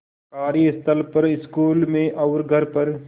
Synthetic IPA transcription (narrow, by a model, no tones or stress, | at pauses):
kaːɾiɪst̪ʰəlpɐɾɪskuːlmẽʔɐʊɾɡʱɐɾpɐɾ